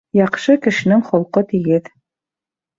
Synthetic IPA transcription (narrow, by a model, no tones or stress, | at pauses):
jɑqʃɤkɘ̆ʃɘ̆nɘŋχŏlˠqɤt̪iɡɘð